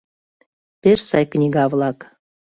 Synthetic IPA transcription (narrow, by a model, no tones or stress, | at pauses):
peʃsɑjknʲiɣɑvlɑk